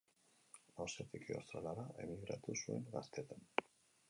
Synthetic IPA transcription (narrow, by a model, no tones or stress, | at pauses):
nawset̪ikio̰st̪ɾalaɾaʔe̞miɣɾa̰t̪usue̞̰ŋɡast̪et̪an